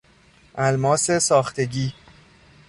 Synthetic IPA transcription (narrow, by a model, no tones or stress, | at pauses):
ʔælmɒːse̞sɒːxt̪ʰe̞ɟiː